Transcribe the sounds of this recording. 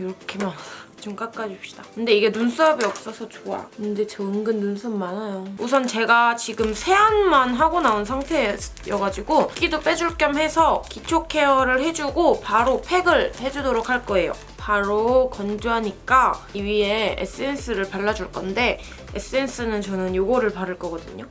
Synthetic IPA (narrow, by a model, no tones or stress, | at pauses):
iɾʌkʰe̞mant͡ɕɯŋk͈ak͈ad͡ʑiopɕ͈i̥d̥akɯnde̞iɡe̞nuns͈ʰʌʌbiʌp̚s͈ʌsʰʌt͡ɕoa̰kɯnde̞t͡ɕʌɯŋɡɯnːunsʰʌmːanajous̬ʰʌnt͡ɕe̞ɡat͡ɕiɡɯmsʰe̞anmanɦaɡonaonsʰaŋtʰe̞jʌɡad͡ʑiɡok͈idop͈e̞d͡ʑuɭk͈jʌmhe̞sʰʌkit͡ɕʰokʰe̞ʌɾɯɭhe̞d͡ʑuɡopaɾopʰe̞ɡɯɭhe̞d͡ʑudoɾokʰhaɭk͈ʌe̞jo̰ | paɾokʌnd͡ʑoɦaɲik͈aiɥie̞ḛs͈ɯe̞ns͈ɯɾɯɭpaɭːad͡ʑuɭk͈ʌnde̞ | es͈ɯe̞ns͈ɯnɯnt͡ɕʌnɯnjoɡʌɾɯɭpaɾɯɭk͈ʌɡʌdɯɲo